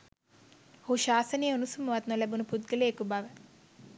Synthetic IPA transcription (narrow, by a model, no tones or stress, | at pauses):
hoʃaːsənejəunusumɐʋat̪nolæbunuput̪̚ɡəleːkubaʋə